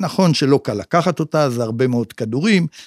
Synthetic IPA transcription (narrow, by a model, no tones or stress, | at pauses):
naχo̞nʃe̞lo̞kalakaχat̪o̞tazeaʁbe̞meo̞dkaduʁim